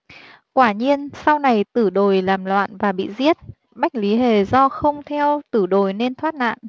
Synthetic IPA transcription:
kwaː˧˩ɲi˧ənsa˧wna˨˩jt̪ɨ˧˩ɗo˨˩jlaː˨˩mlwa̰ː˧˨nvaː˨˩ɓḭ˧˨zi˦˥ət̚ | ɓa˦˥jk̟̚li˨˦ɦe˨˩zɔ˧xə˧wŋ͡mt̪ʰɛ˧wt̪ɨ˧˩ɗo˨˩jne˧nt̪ʰwaː˦˥t̚na̰ː˧˨nʔ

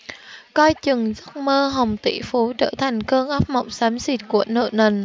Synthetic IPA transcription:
kɔ˧jt͡ɕɨ˨˩ŋzə˦˥t̚məː˧ɦə˨˩wŋ͡mt̪ḭ˧˩fu˨˦t͡ɕə̰ː˧˩t̪ʰa˨˩jŋ̟kəː˧ŋʔə˦˥p̚mə˨˩wk͡p̚saː˨˦msi˨˩t̚ku˧˩ənə̰ː˧˨nə˨˩n

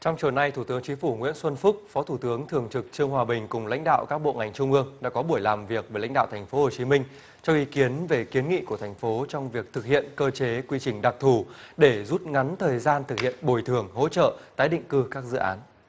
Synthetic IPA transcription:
t͡ɕɔ˧wŋ͡mt͡ɕəː˨˩na˧jt̪ʰu˧˩t̪ɨ˨˦əŋt͡ɕï˨˦ŋ̟fu˧˩ŋwḭ˧˥ənswə˧nfʊ˦˥k͡p̚fɔ˨˦t̪ʰu˧˩t̪ɨ˨˦əŋt̪ʰɨ˨˩əŋt͡ɕɨ˨˩k̚t͡ɕɨ˧əŋhwaː˧˩ɓï˨˩ŋ̟kʊ˨˩ŋ͡mla̰˧˥ŋ̟ɗa̰ː˧˨wkaː˦˥k̚ɓo̰˧˨ŋa˨˩jŋ̟t͡ɕʊ˧ŋ͡mʔɨ˧əŋɗa̰ː˧˥kɔ˨˦ɓu˧˩əjlaː˨˩mvi˨˩ək̚vəː˨˦jla̰˧˥jŋ̟ɗa̰ː˧˨wt̪ʰa˨˩ŋ̟fo˨˦ho˨˩t͡ɕi˨˦mï˧ŋ̟ | t͡ɕɔ˧wʔi˨˦ki˨˦ənve˨˩ki˨˦ənŋḭ˧˨ku˧˩ət̪ʰa˨˩jŋ̟fo˨˦t͡ɕɔ˧wŋ͡mvi˨˩ək̚t̪ʰɨ˨˩k̚hḭ˧˨ənkəː˧t͡ɕe˨˦kwi˧t͡ɕï˨˩ŋ̟ɗa˨˩k̚t̪ʰu˧˩ɗe˧˩zu˦˥t̚ŋa˨˦nt̪ʰəː˨˩jzaː˧nt̪ʰɨ˨˩k̚hḭ˧˨ənɓo˧˩jt̪ʰɨ˨˩əŋɦo̰˧˥t͡ɕə̰ː˧˨t̪aː˨˦jɗḭ˧˨ŋ̟kɨ˧kaː˦˥k̚zɨ̰˧˨ʔa̰ː˨˦n

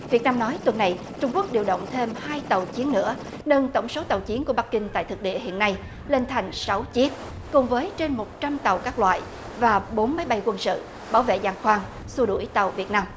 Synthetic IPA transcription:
vi˨˩t̚naː˧mnɔ˨˦jt̪wə˨˩nːa˨˩j | t͡ɕʊ˧ŋ͡mku˦˥ək̚ɗi˨˩əwɗə̰˧˨wŋ͡mt̪ʰe˧mhaː˧jt̪ə˨˩wt͡ɕi˨˦ənnɨ̰˧˥ə | nə˧nt̪ə˧˩wŋ͡mso˨˦t̪ə˨˩wt͡ɕi˨˦nku˧˩əɓa˦˥k̚kï˧ŋ̟t̪a̰ː˧˨jt̪ʰɨ˨˩k̚ɗḭ˧˨əɦḭ˧˨ənːa˧j | le˧nt̪ʰa˨˩jŋ̟sa˨˦wt͡ɕi˦˥ət̚ | kʊ˨˩ŋ͡mvəː˨˦jt͡ɕe˧nmo˨˩t̚t͡ɕa˧mt̪ə˨˩wkaː˦˥k̚lwa̰ː˧˨j | vaː˨˩ɓo˨˦nmə˨˦jɓa˧jkwə˧nsɨ̰˧˨ | ɓaː˧˩wvḛ˧˨zaː˧ŋxwaː˧ŋ | su˧ɗu˧˩əjt̪ə˨˩wvi˨˩ət̚naː˧m

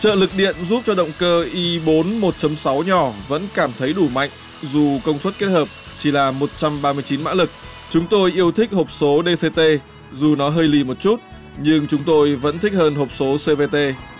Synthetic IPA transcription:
t͡ɕə̰ː˧˨lɨ˨˩k̚ɗḭ˧˨ənzu˦˥p̚t͡ɕɔ˧ɗə̰˧˨wŋ͡mkəː˧ʔi˧ɓo˨˦nmo˨˩t̚t͡ɕə˨˦msa˨˦wɲɔ˧˩və̰˧˥nkaː˧˩mt̪ʰə˨˦jɗu˧˩ma̰˧˨jŋ̟ | zu˨˩kə˧wŋ͡mswə˦˥t̚ke˦˥t̚həː˨˩p̚ | t͡ɕi˧˩laː˨˩mo˨˩t̚t͡ɕa˧mɓaː˧mɨ˧əjt͡ɕi˨˦nma̰ː˧˥lɨ˨˩k̚ | t͡ɕʊ˨˦ŋ͡mt̪o˧jʔi˧əwt̪ʰï˦˥k̟̚ho˨˩p̚so˨˦ɗe˧se˧t̪e˧ | zu˨˩nɔ˨˦ɦəː˧jli˧˩mo˨˩t̚t͡ɕu˦˥t̚ | ɲɨ˧ŋt͡ɕʊ˨˦ŋ͡mt̪o˧jvə̰˧˥nt̪ʰi˦˥k̚həː˧nɦo˨˩p̚so˨˦se˧ve˧t̪e˧

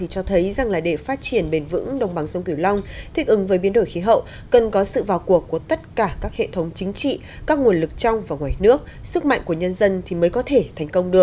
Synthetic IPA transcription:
t̪ʰi˨˩t͡ɕɔ˧t̪ʰə˨˦jza˨˩ŋlaː˨˩ɗe˧˩faː˦˥t̚t͡ɕi˧˩ənɓe˨˩nvɨ̰˧˥ŋɗə˨˩wŋ͡mɓa˨˩˦ŋzə˧wŋ͡mki˧˩əwla˧wŋ͡mt̪ʰï˦˥k̟̚ʔɨ˨˦ŋvəː˨˦jɓi˨˦ənɗo˧˩jxi˨˦ɦə̰˧˨w | kə˨˩nkɔ˨˦sɨ̰˧˨vaː˨˩wku˨˩əkːu˧˩ət̪ə˦˥t̚kaː˧˩kaː˦˥k̚hḛ˧˨t̪ʰə˨˦wŋ͡mt͡ɕï˨˦ŋ̟t͡ɕḭ˧˨ | kaː˦˥k̚ŋu˨˩ənlɨ˨˩k̚t͡ɕa˧wŋ͡mvaː˨˩ŋwaː˨˩jnɨ˦˥ək̚ | sɨ˦˥k̚ma̰˧˨ŋ̟ku˧˩əɲə˧nzə˧nt̪ʰi˨˩məː˨˦jkɔ˨˦t̪ʰe˧˩t̪ʰɛ˨˩jŋ̟kə˧wŋ͡mɗɨ˨˩ək̚

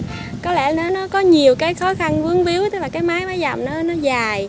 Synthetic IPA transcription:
kɔ˨˦lɛ̰˧˩nɔ˨˦nɔ˨˦kɔ˨˦ɲi˨˩əwkaː˨˦jxɔ˨˦xa˧nvɨ˨˦əŋvi˨˦əwt̪ə˦˥laː˨˩kaː˨˦jmaː˨˦jmaː˨˦jza˨˩mnɔ˨˦nɔ˨˦zaː˨˩j

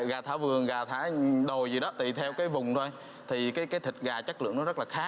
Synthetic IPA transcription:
ɣaː˨˩t̪ʰa̰ː˧˥vɨ˨˩əŋɣaː˨˩t̪ʰa̰ː˧˥ɗo˨˩jzi˨˩ɗɔ˨˦t̪i˨˩t̪ʰɛ˧wkaː˨˦jvʊ˨˩ŋ͡mt̪ʰo˧j | t̪ʰi˨˩kaː˨˦jkaː˨˦jt̪ʰï˨˩k̟̚ɣaː˨˩t͡ɕə˦˥k̚lɨ̰˧əŋnɔ˨˦zə˦˥laː˨˩xaː˦˥k̚

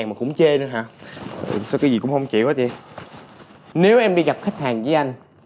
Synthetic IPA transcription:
ŋmaː˨˩kʊ̰˧˥ŋ͡mt͡ɕe˧nɨ˨˦ɦaː˧˥˨ | sa˧kaː˨˦zi˨˩kʊ̰˧˥ŋ͡mhə˧wŋ͡mt͡ɕḭ˧˨waː˨˦t͡ɕi˧˦ | ne˨˦wʔɛ˧mɗi˧ɣa˨˩p̚xi˦˥k̟̚haː˨˩ŋzə˨˦jʔa˧jŋ̟

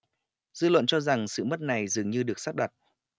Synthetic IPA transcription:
zɨ̰˧lwə̰˧˨nt͡ɕɔ˧za˨˩ŋsɨ̰˧˨mə˦˥t̚na˨˩jzɨ˨˩əŋɲɨ˧ɗɨ˨˩ək̚saː˦˥t̚ɗə˨˩t̚

